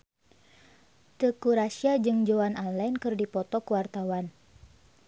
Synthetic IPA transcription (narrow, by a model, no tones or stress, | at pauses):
t̪əkuɾasiad͡ʒɨŋd͡ʒoanalɛnkɨrdipɔt̪ɔkuwart̪awan